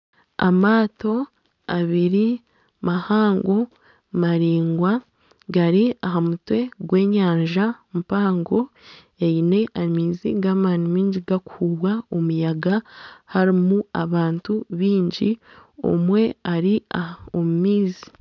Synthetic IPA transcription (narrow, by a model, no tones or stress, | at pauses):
a̰maːto̞ | aβiɾi | mahaːŋɡo̞ | maɾiːŋɡwa | ɡaɾiaɦamutwe̞ɡwe̞ːɲaːɲʒamupaːŋɡo̞ | eine̞ʔamiːzḭɡaːmaːnimiːɲɟiɡaku̥huβwaomujaɡahaɾimuaβaːntuβiːɲɟio̰mwe̞aɾiaomumiːzi̥